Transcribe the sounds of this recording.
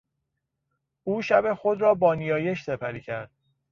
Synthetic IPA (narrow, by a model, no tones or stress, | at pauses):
ʔuːʃæbe̞xo̞d̪ɾɒːbɒːnijɒːje̞ʃse̞pʰæɾiːcʰæɾd̪̥̚